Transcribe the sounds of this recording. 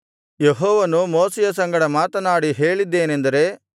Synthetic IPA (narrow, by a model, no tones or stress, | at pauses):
jeɦɔːʋɐnumoːsɛjɐsɐŋɡɐɽɐmaːt̪ɐnaːɽiɦeːɭid̪ːe̞ːnend̪ɐɾe̞